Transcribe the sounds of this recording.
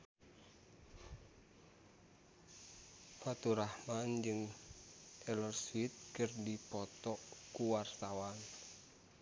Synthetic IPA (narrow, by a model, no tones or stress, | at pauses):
fat̪uɾahmand͡ʒɨŋ | t̪ɛlɔrswit̪̚kərdipɔt̪ɔʔkuwart̪awan